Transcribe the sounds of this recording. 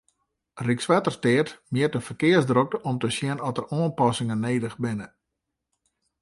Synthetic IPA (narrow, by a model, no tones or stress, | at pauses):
riksʋɛtərstɪətmjiətdəfərkɪəsdrok̚əʔɔmtəsjɛnɔtəroənpɔsɪŋəneːdəxbɪnə